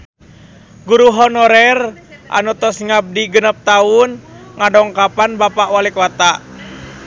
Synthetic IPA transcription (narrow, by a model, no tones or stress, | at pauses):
ɡuɾuɦɔnɔɾɛrʔa̰nut̪ɔsŋab̚diɡənəp̚t̪aunŋadɔŋkapanbapaʔwalikwat̪aʔ